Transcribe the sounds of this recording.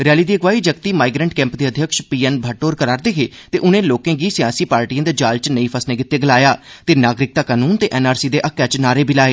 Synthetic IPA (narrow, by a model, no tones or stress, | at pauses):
ɾɪjaːliːd̪iːəɡʋaːiːd͡ʒəkt̪iːmaːɪiɡɾəɳʈkɛ̃ːmpd̪eːəd̪ʱjəkʃpiːɛnbʱəʈoːɾkəɾaːɾd̪ekʰeː | t̪eːʔʊnẽːloːkẽːɡiːsɪjaːsiːpaːɾʈiːãːd̪aːd͡ʒaːlt͡ʃnəĩːpʰəsnẽːɡɪt̪ːeːɡəlaːjaːt̪eːnaːɡɾɪk̚t̪aːkaːnuːnt̪eːʔɛːnaːɾsiːd̪eːʔəkːɛt͡ʃnaːɾeːbɪlaːeː